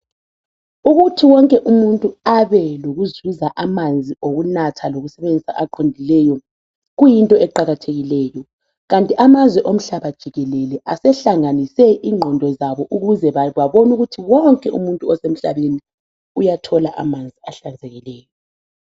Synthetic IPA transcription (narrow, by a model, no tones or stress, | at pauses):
uɣutʰiwɔŋkʼɛʔumuntʼuaβɛloɣuzuzaʔamand͡zʱioɣunatʰaloɣusɛβend͡zʱisa̰ʔaǃʰondʱilɛjɔ | ɣujintʼɔɛǃaɣatʰeɣilɛjɔ | ɣantʼiʔamazwɛʔom̩ɬaβad̥ʒ̥ʱiɣɛlɛlɛʔasɛɬaŋanisɛʔiŋ͡ǃʱɔndʱɔzaβɔʔuɣuzɛβwaβɔnuɣutʰiwɔŋkʼɛʔṵmuntʼuɔsem̩ɬaβeni | ujatʰɔlaʔa̰mand͡zʱiaɬand͡zʱeɣilɛːjɔ